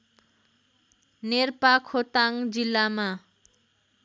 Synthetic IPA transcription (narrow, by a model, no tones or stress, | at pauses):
neɾpakʰot̪aŋd͡zilːama